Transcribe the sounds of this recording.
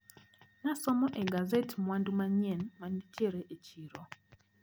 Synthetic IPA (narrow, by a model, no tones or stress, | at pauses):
nasɔmɔʔɛɡazɛtmwandumaɲɛnmwanditɛɾɛʔet͡ʃiɾɔ